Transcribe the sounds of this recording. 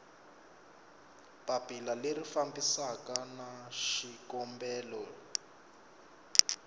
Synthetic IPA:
papilalerifambisakanaʃikɔmbɛːlɔ

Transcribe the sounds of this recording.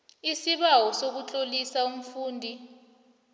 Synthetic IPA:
isiɓawɔsok̬ut͡ɬʼolisaum̩fuːndʱi

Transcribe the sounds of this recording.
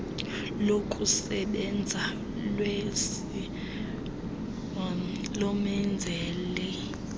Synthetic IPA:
lokʼusɛɓɛnd͡zʱa | lwes | i | lɔmɛnd͡zʱɛːlɛ

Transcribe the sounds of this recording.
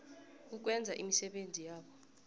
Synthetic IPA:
uk̬wɛnd͡zʱaʔimisɛɓend͡zʱijaːɓɔ

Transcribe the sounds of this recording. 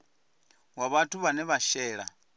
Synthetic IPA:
waβatʰuβanɛβaʃɛːɺa̰

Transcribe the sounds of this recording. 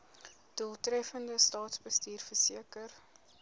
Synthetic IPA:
d̥uəlˠtɾɛfəndəstɑːtsbəstiːrfərsiəkər

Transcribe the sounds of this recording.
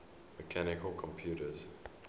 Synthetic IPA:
məkʰænɪkəlˠkʰɔ̃mpʰjuːtəz̥

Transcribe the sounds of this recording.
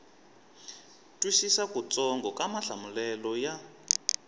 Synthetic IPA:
tʼwisisakut͡sʼɔŋɡɔkamaɬamulɛlɔja

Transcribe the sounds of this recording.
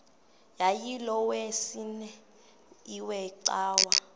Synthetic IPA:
jajilɔwesinɛ | iwɛǀaːwa

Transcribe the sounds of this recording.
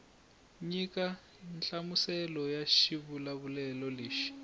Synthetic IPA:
ɲika | nt͡ɬʼamusɛlɔjaʃiβulaβulɛlɔleːʃi̥

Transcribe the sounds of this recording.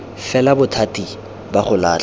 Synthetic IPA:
fɛlabʊtʰatʼi | baχʊlaːt͡ɬ

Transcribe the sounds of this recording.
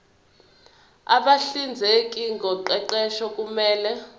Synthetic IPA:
a̰ɓaɬind͡zʱɛekʼiŋɡʱɔǃɛǃɛʃɔkʼumɛːlɛ

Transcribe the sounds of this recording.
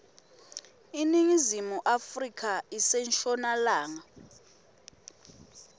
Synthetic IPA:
iniŋizimuʔafrikʰaisɛnt͡ʃʰʼɔnalaːŋa

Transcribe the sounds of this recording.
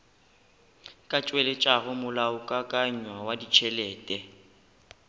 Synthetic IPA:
kʼat͡ʃʼwɛlet͡ʃʼaɣʊmʊlaʊkʼakʼaɲ̩ɲwawadit͡ʃʰɛlɛːtʼɛ

